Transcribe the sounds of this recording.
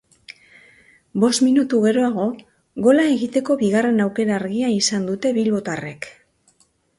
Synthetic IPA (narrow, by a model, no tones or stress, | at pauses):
bo̞st̪minut̪uɣe̞ɾo̞aɣo̞ | ɣo̞lae̞ɣit̪e̞ko̞βiɣ̞are̞nawke̞ɾaːɾɣiaisand̪ut̪e̞βilβo̞t̪are̞k